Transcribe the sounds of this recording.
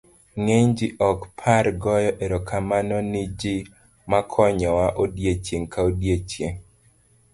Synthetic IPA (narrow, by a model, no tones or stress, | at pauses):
ŋeɲd͡ʒɪʔɔkpʰaɾɡɔjɔʔeɾɔkʰamanɔnɪd͡ʒɪ | makʰɔɲɔwaʔodjet͡ʃjeŋkaodjet͡ʃjeŋ